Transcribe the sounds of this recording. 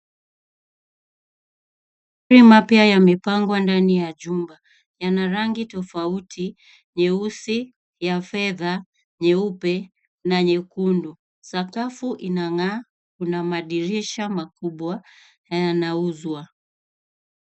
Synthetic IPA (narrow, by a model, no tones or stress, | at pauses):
m | uɾimapjajamipaŋɡwandanijaʄumba | janaɾaŋɡitɔfautʰi | ɲɛusi | jafɛða | ɲɛupɛ | naɲɛkundu | sakafuʔinaŋaː | kunamaɗiɾiʃamakuɓwa | ajanauzwa